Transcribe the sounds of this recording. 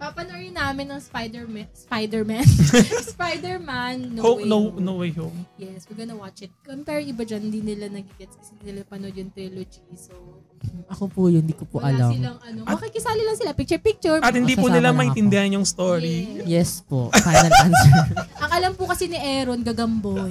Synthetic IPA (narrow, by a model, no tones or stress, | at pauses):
pɐpɐnojɪnaːmɪnːɐŋspajd̪ɛɹmspajd̪ɛɹmansspajd̪ɛɹmanːohononowejhomjɛswɐɡɐnɐwat͡ʃɪt̪̚kɐŋpɛɾʔɪbad͡ʒɐnhɪnd̪inɪlanɐɡɪɡɛt̪skɐsɛɪnd̪inɪlapɐnod̪jʊŋt̪ɾilod͡ʒiso | ʔɐkopujʊnd̪ikopʊʔɐlamaŋʔɐnobɐkɛkɪsaːlɐlɐŋsɪlapik̚t͡ʃɛɹpik̚t͡ʃʊɹɐt̪hɪnd̪ipʊnɪlamɐʔɪ̃nt̪ɪnd̪ɛhɐnjʊŋst̪oɾijɛspofajnɐlansɛʔɐŋʔɐlɐmpʊkɐsɛnɪʔɛːɾonɡɐɡɐmbo